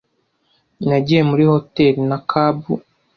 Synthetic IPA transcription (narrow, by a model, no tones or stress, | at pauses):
naɟijemuɾihotelinakʰabṵ